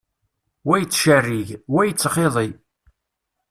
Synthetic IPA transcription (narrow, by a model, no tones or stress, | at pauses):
wæjt͡sːʃərːiʝwæjət͡sːəχeðˤi